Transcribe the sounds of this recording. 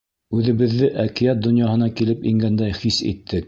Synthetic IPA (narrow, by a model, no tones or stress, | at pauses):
ʉðɘ̆βɘ̆ðːɘʔækijæt̪̚d̪ŏnjɑɦɤ̆nɑkilɘpiŋɡænd̪æjχisḭt̪ʰːɘk̚